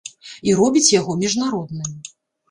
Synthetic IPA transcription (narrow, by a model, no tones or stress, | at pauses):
iɾɔbʲit͡sʲjaɣɔmʲiʐnaɾɔd̪̚nɨ